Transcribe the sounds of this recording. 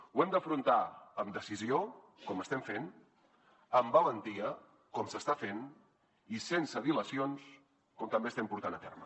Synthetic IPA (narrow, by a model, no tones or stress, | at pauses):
wɛmd̪əfɾunt̪aəmd̪əsizio | kɔməst̪ɛmfen | əmbələnt̪iə | kɔmsəst̪afen | isensəβiləsions | kɔmt̪əmbest̪ɛmpuɾt̪anət̪ɛrmə